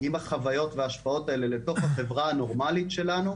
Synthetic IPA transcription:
imaχavajo̞tveaːʃpao̞tae̞le̞le̞to̞χhaχe̞vʁaano̞ʁmalitʃe̞lanu

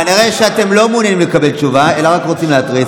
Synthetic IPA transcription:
aniʁeʃeat̪e̞mlo̞mːnjanimlekabe̞lt͡ʃuvae̞laʁakʁot͡simleat̪ʁi

